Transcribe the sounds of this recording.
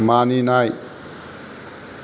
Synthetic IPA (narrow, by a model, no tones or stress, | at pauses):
maninaj